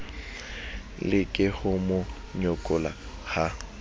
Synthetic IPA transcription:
lɪkʼɪhʊmʊ | ɲɔkʼʊla̰ | ha

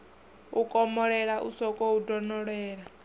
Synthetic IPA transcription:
ukʼɔmɔɺɛɺaʔṵsɔkʼɔudɔnɔɺɛːɺa

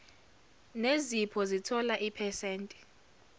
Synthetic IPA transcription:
nezipʰɔzitʰɔlaʔipʰɛseːntʼi̥

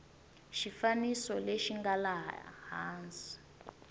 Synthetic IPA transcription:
ʃifanisɔleʃiŋɡalahaːnd͡zi̥

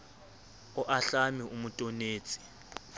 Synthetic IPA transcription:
ɔʔaɬamiumutʼoneːt͡sʼi̥

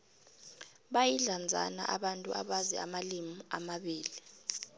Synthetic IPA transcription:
ɓajiɮand͡zʱa̰na̰ʔaɓantʼua̰ɓazɛ̰a̰malimiamaɓiːli

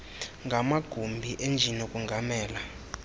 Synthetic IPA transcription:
ŋɡʱamaɡ̥ʱumbʱiʔend͡ʒʱinekʼuŋɡʱamɛːla

